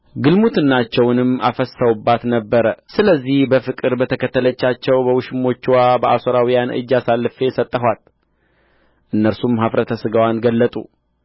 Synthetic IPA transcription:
ɡɨlmut̪ɨnːat͡ʃːɛwnɨmːa̰fəsːawubːat̪nəbːəɾəsɨləzːihbəfɨkʼɨɾbət̪ʰəkʰət̪ːələt͡ʃːat͡ʃːɛwbəwʃɪmo̞t͡ʃːwabəʔasoɾawijanʔɨ̰d͡ʒːasalːɨfe̞sət̪ʼːəɦwal | ʔɨnːəɾsumhafɾət̪ʰəsɨɡawanɡəlːət̪ʼṵ

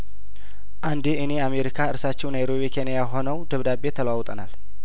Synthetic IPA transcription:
ʔand̪eɨne̞ameɾikʰaɨɾsat͡ʃːɛwnajɾo̞βikʰe̞nijaɦo̞nəwd̪əβd̪abe̞t̪ʰələwawt̪ʼənal

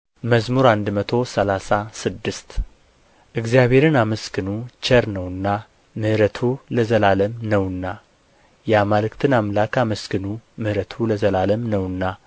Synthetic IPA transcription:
məzmuɾand̪mət̪ʰo̞səlasasɨd̪ːɨst̪ | ʔɨɡzijaβe̞ɾɨnaməskʰɨnut͡ʃəɾnəwɨnːa | mɨhɾət̪ʰuləzəlaləmnəwɨnːa | jɛamalɨkt̪ʰɨnamlakaməskɨnumɨhɾət̪ʰuləzəlaləmnəwɨnːa

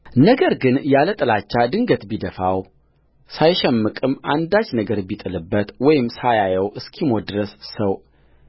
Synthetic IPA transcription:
nəɡəɾɡɨnjalət̪ʼɨlat͡ʃːad̪ɨŋɡət̪bid̪əfaw | sajʃɛmːɨkʼɨmʔand̪at͡ʃːnəɡəɾbit̪ʼɨlɨbːət̪wɔjɪmsajajɛwʔɨskʰimod̪ɨɾəssəw

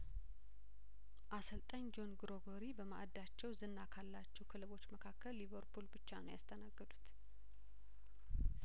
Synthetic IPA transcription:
ʔasəlt̪ʼəɲd͡ʒo̞nɡɾoɡo̞ɾibəmaʔad̪ːat͡ʃːɛwzɨnːakʰalːat͡ʃːɛwkʰɨlɨβo̞t͡ʃːməkʰakːəlːiβəɾpʰulbɨt͡ʃːanəwjast̪ʰənaɡːəd̪ut̪

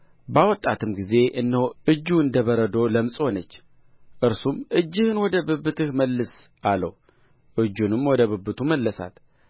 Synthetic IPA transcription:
bawɔt̪ʼːat̪ʰɨmɡize̞ʔɨnːəwɨd͡ʒːuɨnd̪əβəɾəd̪o̞ləmsʼho̞nət͡ʃː | ʔɨɾsumʔɨd͡ʒːɨhɨnwɔd̪əbɨbɨt̪ɨhməlːɨs | alːəw | ʔɨd͡ʒːunɨmwɔd̪əβɨbːɨt̪ʰuməlːəsa̰t̪

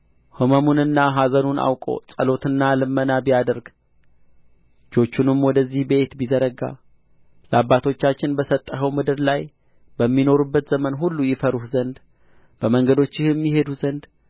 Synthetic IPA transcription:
hɨməmunɨnːaɦazənunʔa̰wkʼo̞̰sʼəlo̞t̪ɨnːalɨmːənabijad̪əɾɡ | d͡ʒo̞t͡ʃːunɨmwɔd̪əzːihbe̞t̪bizəɾəɡa̰ | ləabːat̪ʰo̞t͡ʃːat͡ʃːɪnbəsət̪ʼːəɦəwmɨd̪ɨɾlaj | bəmːino̞ɾubːət̪z̥əmənɦulːujɪfəɾuhzənd̪ | b̥əməŋɡəd̪o̞t͡ʃːɪhɨmːiɦe̞d̪uzənd̪

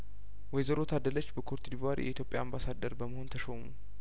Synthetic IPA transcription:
wɔjzəɾo̞t̪ʰad̪ələt͡ʃːbəkʰoɾt̪ʰid̪ivaɾḭjʔɛ̰ʔit̪jo̞pʼja̰ambasad̪ːəɾbəməho̞nt̪ʰəʃomu

